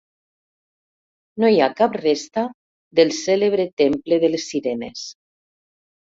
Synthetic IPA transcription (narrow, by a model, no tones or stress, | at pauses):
nojakaprest̪a | d̪elˠseleβ̞ɾet̪empleðelesːiɾenḛs